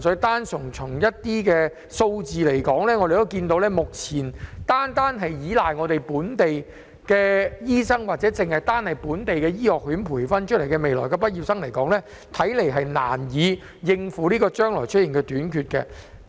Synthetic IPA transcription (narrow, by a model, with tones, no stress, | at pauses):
sɵ˨˥t̪aː˥nsʊ˨˩ŋt͡sʰʊ˨˩ŋjɐ˥t̚t̪iː˥kɛː˧ | so˧wt͡siː˨le˨˩jkɔː˨˥ŋlɛː˥ŋɔ˨˧ɾe˨jt̪o˥wkiː˧nt̪o˧˥wlɛː˥mʊ˨k̚t͡sʰiː˨˩nt̪aː˥nt̪aː˥nɦɐ˨jjiː˨˥laː˨jŋɔː˨˧t̪e˨jpuː˨˥nt̪e˨j | kɛː˧jiː˥sɐ˥ŋwaː˨t̚t͡sɛː˨˥t͡sɪ˨ŋhɐ˨˩jt̪aː˥nhɐ˨jpuː˨˥nt̪e˨jkɛː˧jiː˥hɔː˨k̚ɦyː˨˥npʰuː˨˩jfɐ˥nt͡ʃʰɵ˥le˨˩jkɛ˧me˨jlɔː˨˩kɛ˧pɐ˥t̚jiː˨˧p̚sɐ˥ŋlɐ˨˩jkɔː˨˥ŋlɛː˥ | t̪ʰɐ˨˥jle˨˩jɦɐ˨jna̰ː˨˩njiː˨˧ | jɪ˧ŋfuː˨˥liː˥kɔː˧t͡ʃœː˥ŋlɔː˨˩jt͡ʃʰɵ˥t̚ji˨˩ŋkɛː˧t̪yː˨˥nkʰyː˧t̚kɛ̰ː˧